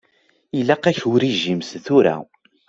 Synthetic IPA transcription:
ilːæqæçwɾiʒimsθʊɾæ̰

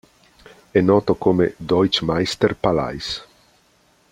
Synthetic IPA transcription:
ɛnɔːt̪okomḛd̪ɔjt͡ʃmajst̪erpala̰js

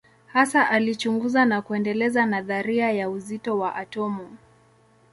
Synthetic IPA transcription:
hasaʔalit͡ʃuŋɡuzanakuɛndɛlɛzanaðaɾiajauzitɔwaʔatɔmu

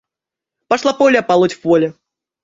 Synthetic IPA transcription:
paʂlˠapɔlʲɛpalˠut͡sʲwvɔlʲɛ

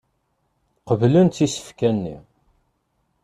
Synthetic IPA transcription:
qəvlənt̪ːisə̥fkænːḭ

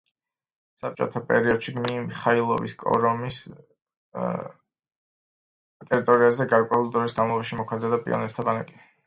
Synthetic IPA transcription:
sap̚t͡ʃʼɔ̰t̪ʰapʼɛ̰ɾiɔd̪̥ʃiɡmimiχailˠɔ̰vḭskʼɔ̰ɾɔmis | t̪ʼɛɾit̪ʼɔɾiazɛɡaɾkʼwɛulˠd̪ɾɔvisɡanvalˠɔbaʃimɔkʰmɛd̪ad̪apʼḭɔ̰nɛt̪t̪ʰabanakʼi

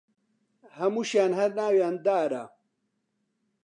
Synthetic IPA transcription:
hɐmuːʃjaːnhɐɾnaːwjaːnd̪aːɾa̰

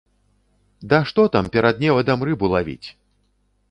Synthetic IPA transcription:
d̪ɐʂt̪ɔt̪ampʲɛɾad̪̚nʲɛvɐd̪amrɨbulˠavʲḭt͡sʲ

